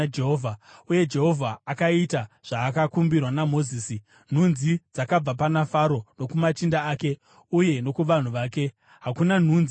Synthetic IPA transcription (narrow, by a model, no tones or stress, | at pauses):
d͡ʒeɦoːvʱauje̞d͡ʒe̞ɦo̞vʱaːkaitaʐ̥aːkakumbirwanamo̞ziːsi | n̤unzid͡zakab͡vapanafaɾo̞no̞kumat͡ʃindaaːke̞ | uje̞no̞kuʋan̤uʋaːke̞ | ɦakunan̤uːnzi